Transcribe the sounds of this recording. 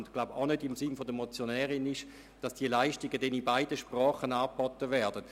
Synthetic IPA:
ndɡ̥laʊba̰ʊnødɪmsɪnfodəmot͡sjonɛːʁɪnɪʃ | d̥ɑsd̥iəlaɪʃtɪɡədɛnibaɪdəʃpʁaːχənaːpɔtəvɛɐd̥ət

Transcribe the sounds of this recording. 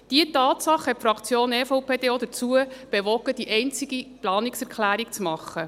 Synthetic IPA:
d̥iətɑːt̪sɑχhɛtfɾɑkt͡sjoːnɛfoʊpʰeːd̥̪eːɔd̪ət͡suəb̥eʋɔɡəd̥iʔɛɪnt͡siɡiplɑːniksɛɾkʰlæːɾik̚t͡smɑχːə

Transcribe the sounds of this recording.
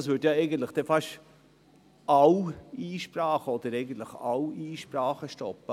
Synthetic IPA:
sʋʏtjɑɛɪɡən̩t̪ləχd̥ɛfɑʃ | ʔɑwiːʃpɾɑːχəɔd̪əɾɛɪɡən̩t̪ləχɑwiːʃpɾɑːχəʃtɔpːə

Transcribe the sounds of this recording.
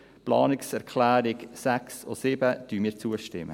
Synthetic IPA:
plɑ̰ːnɪksɛɾkχlæːɾɪksækso̰sɪbətyːmiːɾt͡suəʃtɪ̰mə

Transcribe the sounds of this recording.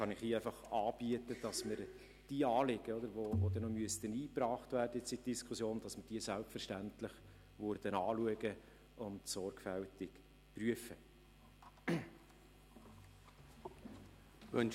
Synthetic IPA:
χɑnɪχiːæɪfɑχɑːb̥iətəd̥ɑsmɪɾ | d̥iːɑːlɪɡəɔd̪əɾʋovod̪ɛnɔmyəstəniːprɑːχtvæːrdəɪt͡sit̚d̥iskʰʊsjoːndɑsməɾd̥iəsælpfəɾʃtænt̪lɪχ | ʋʊɾd̥̪ənɑːluəɡə | ʊntsɔrkfæltɪk | pryəfə | ʋœn

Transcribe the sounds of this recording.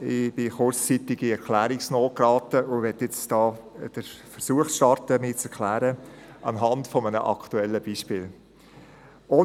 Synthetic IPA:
ɪb̥ɪχʊɾt͡st͡sitɪɡiɛɾkʰlæːɾɪksnoːkɾɑːtəʊʋɛtjɪt͡sd̥ɑː | d̥əfəɾsuəχʃtɑɾtəmɪt͡sɛɾkʰlæːɾə | ʔɑ̰nɦɑntfɔmənə̰ʔɑ̰kʰtuɛlːəb̥iːʃpɪːl | oː

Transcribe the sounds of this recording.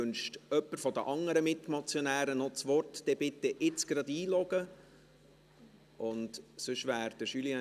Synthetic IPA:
ønʃtœpːəɾfɔd̪əʔɑŋːəɾəmɪt̪mɑt͡sjonæːɾənɔt͡sʋɔrt̪d̥ɛbɪt̪ːɛʔɪt͡sɡ̥ɾɑd̪iːlɔɡə | ʔʊnt̪sʏʃʋæːɾd̪əʃyliɑ

